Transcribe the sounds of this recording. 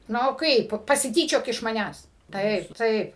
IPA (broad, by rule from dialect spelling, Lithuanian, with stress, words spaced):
ˈnʊ ˈkɐɪp pɐsʲɪˈtʲiːt͡ʃʲoːk ɪʃ mɐˈnʲæːs ˈtɐɪp ˈtɐɪp